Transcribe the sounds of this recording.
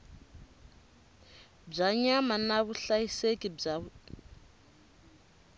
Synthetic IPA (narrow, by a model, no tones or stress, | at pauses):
b͡ʐaɲamanaβuɬajisekʼib͡ʐa